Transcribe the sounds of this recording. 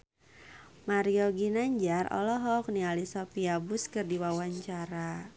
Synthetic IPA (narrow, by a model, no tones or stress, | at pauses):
maɾiɔɡinaɲd͡ʒarɔ̰lɔɦɔk̚nialisɔpiabuskɨrdiwawaɲt͡ʃaɾa